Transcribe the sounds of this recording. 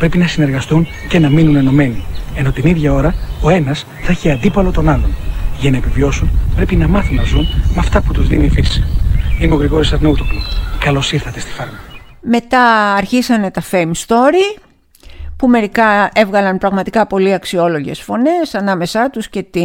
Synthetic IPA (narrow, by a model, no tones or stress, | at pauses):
pɾe̞pinɐsine̞ɾɣɐst̪unce̞nɐminune̞no̞me̞nie̞no̞t̪iniðʝɐo̞ɾɐo̞e̞nɐs | θɐeçiɐnd̪ipɐlo̞t̪o̞nɐlo̞nʝɐnɐepivio̞sunpɾe̞pinɐmɐθunnɐzunmɐft̪ɐput̪uzðḭnifisi̥ineo̞ɣɾiɣoɾisɐɾnout̪oklubkɐlo̞siɾθɐt̪e̞st̪i̥fɐɾmɐ | me̞t̪ɐɐɾçisɐne̞t̪ɐfe̞jmst̪o̞ɾi | pume̞ɾikɐe̞vɣɐlɐnpɾɐɣmɐt̪ikɐpo̞liɐksio̞lo̞ʝe̞̰sfo̞ne̞sɐnɐme̞sɐt̪usce̞t̪i